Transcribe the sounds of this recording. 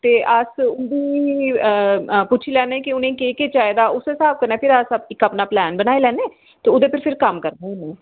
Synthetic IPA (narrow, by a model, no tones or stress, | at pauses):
t̪eːʔəsʊnd̪iː | pʊt͡ʃʰiːlɛːnẽːkiʊnẽːkeːkeːt͡ʃaːjed̪aːʊseːsaːb̚kəɾnẽːpʰɪɾəsəɪkːəpnaːplɛːnbənaːilɛːneː | t̪eːʊd̪eːpʰɪɾpʰɪɾkəmkəɾnẽːʊnũː